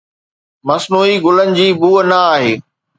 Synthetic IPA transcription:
mɐsnuːiɡʊlənɪ̆d͡ʑiːbuːənɐaːɦeː

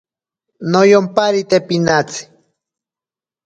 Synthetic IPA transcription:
nojompaɾit̪epinat͡si̥

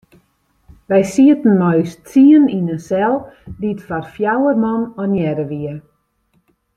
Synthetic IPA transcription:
ʋɛjsiətn̩mɔjstt͡siəninənsɛlˠditfarfjawərmɔnɔnjɛɾəʋiə

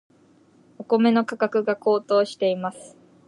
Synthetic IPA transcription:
o̞ko̞me̞no̞kakakɯ̟ɡako̞ːt̪o̞ːɕi̥t̪e̞imasɨ̥

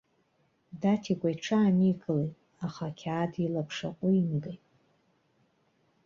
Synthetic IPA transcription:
datʰiɡʷʼajʈ͡ʂʰaːniɡɨlejtʼ | aχakʲʰaːdilapʰʂaqʷʼʊinɡejtʼ

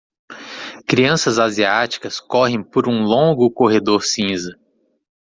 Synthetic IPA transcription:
kɾiɐ̃sɐzaziat͡ʃi̥kɐskɔɦẽj̃poɾũlõɡʊkoɦed̪oɾsĩzɐ

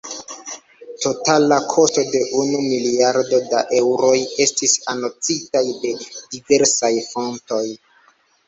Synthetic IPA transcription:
to̞talakʰo̞sto̞de̞ʔunumiliaɾdo̞daʔe̞wɾo̞je̞stisanot͡sitajde̞dive̞ɾsajfo̞nto̞j

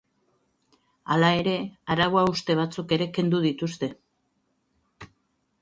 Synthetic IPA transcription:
alae̞ɾe̞aɾaɣoaust̪e̞β̞at͡suke̞ɾe̞ke̞nd̪uðit̪ust̪e̞

